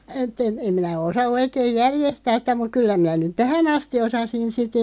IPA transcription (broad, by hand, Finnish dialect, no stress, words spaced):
etˑ en̞ em minæ osɑ oikeːĭj jærjestæːs sĭtæ muk̆ kylːæ minæ nyt tæhæn ɑsti osɑsin sit